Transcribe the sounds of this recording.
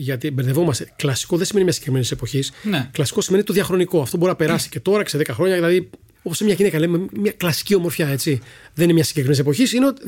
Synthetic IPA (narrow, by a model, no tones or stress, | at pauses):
ʝɐt̪ibe̞ɾðe̞vo̞mɐst̪eklɐsi̥ko̞ðesime̞nimɲɐsɲɟ̥ekɾimenisepo̞çisnklɐsi̥ko̞sime̞nit̪oðiɐxɾo̞niko̞ɐft̪o̞bo̞ɾinɐpe̞ɾɐsi̥ce̞t̪o̞ɾɐceseðekɐxɾo̞ɲɐðilɐði | o̞posemɲɐʝinekɐlememɲɐklɐsi̥cio̞moɾfçɐe̞t͡siðeninemɲɐsi̥ɲɟekɾimenisepo̞çisineo̞t̪i